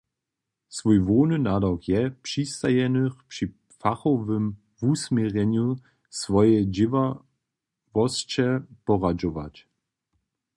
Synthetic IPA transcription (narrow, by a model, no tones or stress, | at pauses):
svujvoːnɨnadakjɛpʂist̪ajɛnəxpʂi | faxɔvəm | vusmʲjɛʁɛɲju | svɔjɛd͡ʑɪva | vɔst͡ɕɛpɔʁad͡ʒɔva̰t͡ɕ